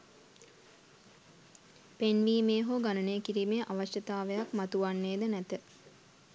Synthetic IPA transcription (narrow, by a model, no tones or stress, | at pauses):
penʋiːmeːɦoɡanəneəkiɾimeːʔaʋaʃjət̪aːʋejakmat̪uʋanːeːd̪ənæt̪ə